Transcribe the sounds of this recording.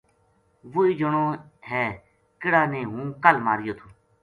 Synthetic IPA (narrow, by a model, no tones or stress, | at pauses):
ʋʊiːd͡ʒəɳoː | ɦɛː | kɪɽaːnẽːɦũːkəlmaːɾɪjoːt̪ʰuː